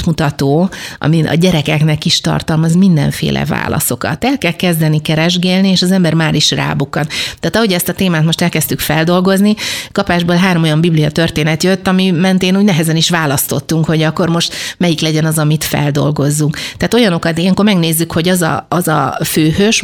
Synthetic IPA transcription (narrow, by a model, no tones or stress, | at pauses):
mut̪ɒt̪oːɒ̰miʔɒ̰ɟɛɾɛkɛknɛkiʃt̪ɒ̰rt̪ɒlmɒzmind̪ɛ̰ɱfḛːlʔɛ̰va̰ːlɒ̰so̞kɒ̰t̪ːɛlkɛlkɛzd̪ɛnikɛɾɛʒɡeːlnieːʃɒzɛmbɛrmaːɾiʃra̰ːbukːɒnt̪aːt̪ɒɦo̞ɟɛst̪ɒt̪eːmaːt̪mo̞ʃt̪ɛlkɛst̪ykfɛld̪o̞lɡo̞znikɒpaːʒboːlɦaːɾo̞mo̞jɒmbiblijɒt̪ø̞rt̪eːnɛt̪jøt̪ːɒmimɛnt̪eːnuːɟnɛɦɛzɛniʃʋaːlɒst̪o̞t̪ːuŋkho̞ɟɒkːo̞rmo̞ʃt̪mɛjiklɛɟɛnɒzɒmit̪fɛ̰ld̪o̞̰lɡo̞zːuŋkt̪aːt̪o̞jɒno̞kɒt̪ijɛŋko̞rmɛɡneːzːykho̞ɟɒzɒ̰ɒzɒ̰føːhøʃ